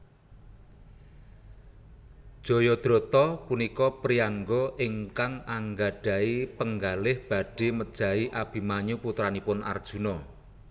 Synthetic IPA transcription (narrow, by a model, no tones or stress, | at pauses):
d̥ʒ̥o̤jɔd̪̥ɾɔ̤t̪ɔpunikɔpɾiaŋɡɔʔɪŋkaŋaŋɡaɖ̥a̤ipəŋɡalɪhb̥a̤ɖ̥e̤məd̥ʒ̥ä̤iʔab̥i̤maɲuput̪ɾanipʊna̰rd̥ʒ̥ṳnɔ